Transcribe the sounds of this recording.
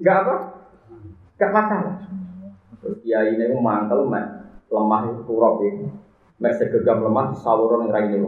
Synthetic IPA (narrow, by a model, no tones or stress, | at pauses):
ŋɡaʔapa | ŋɡaʔmakala | t̪ɾʊsiainekumaŋkəlmɛ̰ʔləmaht̪uɾɔʔɡe | mɛʔsəɡəɡamləmaht̪sawuɾɔnɪŋɾainiku